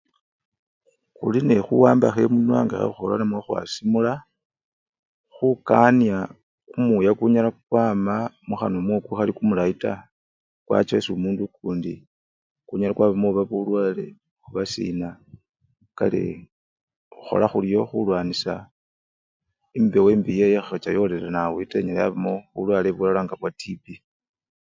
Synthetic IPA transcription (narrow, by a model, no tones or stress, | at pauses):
xulinexuwaːmbaxe̞munwaːŋɡexḛuxolanamwoxwa̰simula | xukanija | kumujakuɲalakwaːmamuxanomwokuxalikumulaita | kwa̰t͡ʃesomuːndukuːndi | kuɲalakwaβamoβaβulwaːle̞̰ | uβasḭna | ka̰lḛ | uxo̞̰laxulijo̞xulwaːnisa | imbeweːmbijejexaxat͡ʃajo̞lelanawiteɲalea̰βamo̞βṵlwaleβulalaːŋɡaβwatibi